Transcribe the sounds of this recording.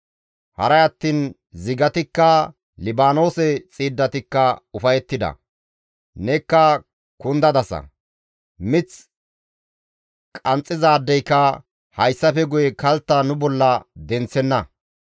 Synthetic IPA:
hɐ̰ɾɐjɐt̪ːiːn | zɪɡɐt̪ɪkːɐ | lɪbaːno̞ːsɛt͡sʼiːd̪ːɐt̪ɪkːɐʊfɐjɛt̪ːɪd̪ɐ̰ | nɛkːɐ | kʊnd̪ɐd̪ɐsɐ̰ | mɪt͡s | kʼɐnt͡sʼːɪzaːd̪ːɛjkːɐ | hɐjsːɐfɛɡʊjɛkɐlt̪ːɐnʊbɔlːɐd̪ɛnt͡sːɛnːɐ

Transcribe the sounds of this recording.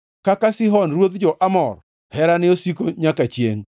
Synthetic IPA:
kakasɪɦɔnrwod̪d͡ʒɔʔamɔr | hɛɾanɪosikoɲakat͡ʃjḛŋ

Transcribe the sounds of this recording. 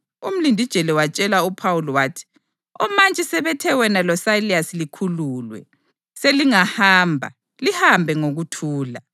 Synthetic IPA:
um̩lindʱid̥ʒ̥ʱɛlɛwat͡ʃʼɛlaupʰawulɔwaːtʰi̥ | ɔmant͡ʃʼɛsɛβɛtʰɛwɛnalɔsajliasilikʰuluːlwɛ̰ | seliŋahaːmbʱa̰ | lihambʱɛŋoɣutʰuːla̰

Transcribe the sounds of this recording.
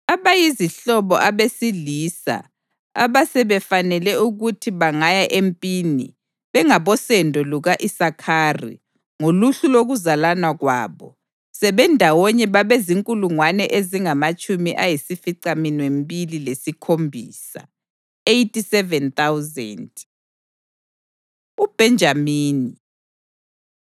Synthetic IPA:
aβajiziɬɔβɔ̰ʔaβesiliːsa̰ | a̰βasɛβɛfanɛlɛuɣutʰiβaŋajaʔempʼiːnḭ | βɛŋaβɔsɛndʱɔluɣaʔisakʰaːrḭ | ŋoluɬuloɣuzalanwaɣwa̰ːβɔ | sɛβɛndʱawɔɲɛβaβeziŋkʼuluŋwanɛʔeziŋamat͡ʃʼumiʔajisifiǀaminwembililesikʰombʱiːsa̰ | ejtʰʼisɛvɛnt̪awzɛ̰nd | ub̥ʱɛnd͡ʒʱamiːni

